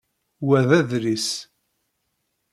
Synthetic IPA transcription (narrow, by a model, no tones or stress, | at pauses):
wæðæðɾis